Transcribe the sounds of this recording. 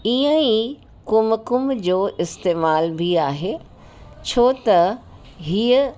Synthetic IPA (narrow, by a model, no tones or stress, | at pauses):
iə̃i | kʊmkʊmd͡ʑoːʔɪst̪eːmaːlbʱiaːɦeː | t͡ɕʰoːt̪ɐ | ɦiːə